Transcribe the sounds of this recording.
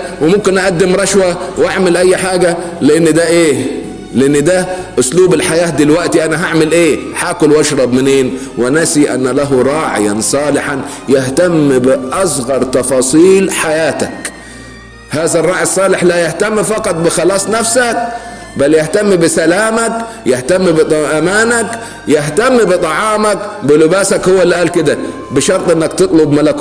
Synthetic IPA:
wɪmʊmkɪnʔaʔæd̪ːɪmɾˤɑʃwawʔaʕmɪlʔajːħaːɡæ | lɪʔɪnːd̪æʔeː | lɪʔɪnːd̪æʔʊsluːbɪlħajaːt̪̚d̪ɪlwæʔt̪iʔanæɦaʕmɪlʔeːħaːkʊlwɑʃɾˤɑbmɪneːn | wɪnasiʔa̰nːlaɦɾˤɑːʕɪ̰ja̰nsˤɑːlɪħanjɪht̪amːbɪʔɑsˤɣɑɾˤt̪ɑfɑːsˤiːlħajaːt̪ak | haːzarˤːɑːʕisˤːɑːlɪħlajaht̪amːfɑqɑt̪ˤbɪxɑlɑːsˤnafsak̚ | baljɪht̪amːbɪsalaːmak | jɪht̪amːbɨt̪ˤʔamaːnak | jɪɦt̪amːbɨt̪ˤɑʕɑːmakbɪlɪbaːsakhʊwːalːʔaːlkɪd̪a | bɪʃɑɾˤt̪ˤʔɪnːakt̪ɨt̪ˤlʊbmalak

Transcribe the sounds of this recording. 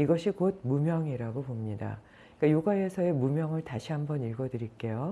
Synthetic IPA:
iɡʌɕʰikod̚mumjʌŋiɾaɡopomɲida̰ | ik͈ajoɡaɦe̞sʰʌe̞mumjʌŋɯɭtaɕʰiɦambʌniɭɡʌdɯɾik͈e̞jo

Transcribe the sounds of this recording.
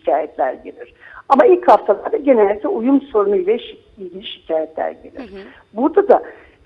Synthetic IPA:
ʃicʰaːjɛt̪ʰlʲæ̰ɾɟelʲiɾ̥amailʲchaft̪ʰalˠaɾd̪aɟe̞nɛlʲd̪ʲik̪lʲɛujumso̞ɾunuilʲɛʃ | ilʲɟilʲiʃicʰaːjɛt̪ʰlʲæ̰ɾɟe̞̰lʲḭɾ̥ | buɾd̪ad̪a

